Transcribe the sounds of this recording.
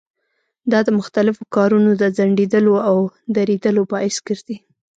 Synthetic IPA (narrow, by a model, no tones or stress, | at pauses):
d̪ɑd̪əmʊxt̪alɪfokɑɾunod̪əzaɳɖed̪əloawd̪aɾed̪əlobɑɪsɡəɾd̪i